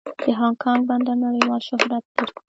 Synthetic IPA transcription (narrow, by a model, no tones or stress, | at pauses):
d̪̥əɦɑŋkʰɑŋɡband̪anaɽəjwɑlʃʊhɾat̪̚pəɾ